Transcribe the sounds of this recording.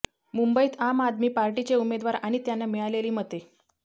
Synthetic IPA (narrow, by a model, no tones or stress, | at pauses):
mumbəiːt̪amad̪miːpaɾʈit͡seumed̪ʋaɾaɽ̃it̪janːamiɭaleliːmət̪ːe